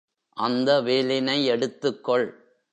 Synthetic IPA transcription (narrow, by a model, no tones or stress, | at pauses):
ʔɐnd̪ɐʋeːlɪnɐɪɛɽɯt̪ːɯkːɔɭ